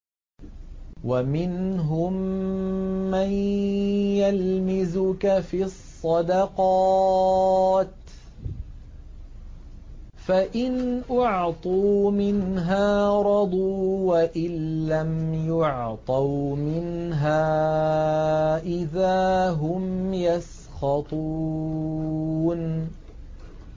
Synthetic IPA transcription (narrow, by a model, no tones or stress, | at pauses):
wamɪnɦʊmː | an | jalmɪzʊkafisˤːɑd̪ɑqɑ | t̪ | faʔɪnʔʊʕt̪ˤuːmɪnɦaːɾˤɑd̪ˤuːwaʔɪnlamjʊʕt̪ˤɑwmɪnɦaː | ʔɪðaːɦʊmjas | xɑt̪ˤu | n